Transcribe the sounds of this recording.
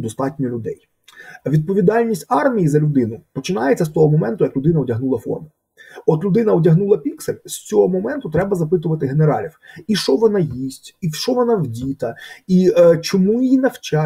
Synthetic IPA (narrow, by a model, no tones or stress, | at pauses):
d̪ɔst̪ɑtʲnʲɔlʲʊd̪ɛ̰j | ʋʲid̪̚pɔʋʲid̪ɑlʲnʲisʲtʲɑrmʲijizɐlʲʊd̪ɪnʊpɔt͡ʃɪnɑjet͡sʲːɐst̪ɔɦɔmɔmɛnt̪ʊjɐklʲʊd̪ɪnɐɔdʲɐɦnulˠɐfɔ̰rmʊ | ɔt̪lʲʊd̪ɪnɐɔdʲɐɦnulˠɐpʲikselʲsʲt͡sʲɔɦɔmɔmɛnt̪ʊt̪ɾɛbɐzɐpɪt̪̬ʊʋɐt̪ɪɦeneɾɑ̰lʲiwiʃt͡ʃɔʋɔnɑjisʲtʲiwʃt͡ʃɔʋɔnɑwdʲit̪ɐit͡ʃɔmujinɐwt͡ʃɑ